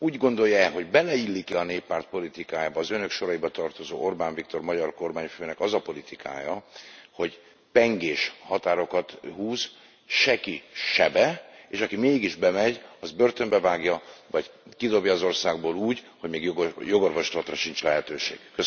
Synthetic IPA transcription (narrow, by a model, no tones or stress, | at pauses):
uːɟɡo̞nd̪o̞jːɛɦoɟbɛlɛilːikiɒneːpːaːrt̪̚po̞lit̪ikaːjaːbɒːzønø̞kʃo̞ɾɒjibɒt̪ɒrt̪o̞zo̰ːʔo̞rbaːɱvikt̪o̞rmɒɟɒrko̞rmaːɲføːnɛkɒzɒpo̞lit̪ikʰa̰ːjɒho̞ɟ | pɛŋɡeːʃhɒt̪aːɾo̞kɒt̪huːz | ʃɛkiʃɛbɛeːʃɒkimeːɡiʒbɛmɛɟɒzbørt̪ømbɛvaːɡjɒvɒɟkid̪o̞bjɒːzo̞rsaːɡboːluːɟ | ho̞ɟmeːɡjjo̞ɡo̞rvo̞ʃlɒt̪rɒʃint͡ʃlɛɦɛt̪øːʃḛːɡ̥ːøs